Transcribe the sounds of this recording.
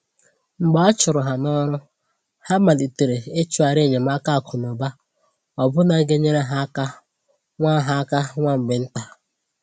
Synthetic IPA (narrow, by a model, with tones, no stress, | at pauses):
ŋ͡m̩˨ɡ͡ba˦a˦t͡ʃʊ˨ɾʊ˨ɦa˨nɔ˦ɾʊ˦ | ha˦ma˨di˨te˨ɾe˨e˦t͡ʃu˦a˨ɾe˦˨ɲe˨m̩˦a˦ka˦˨kʰʊ˨nɔ˨ba˦ | ɔ˨bʊ˦na˨˦ɡe˦ɲe˦ɾe˦ɦa˦ka˦ | ŋʷa˦ɦa˦ka˦ŋʷa˦m̩˨ɡ͡bɪ˨n̩˦ta˦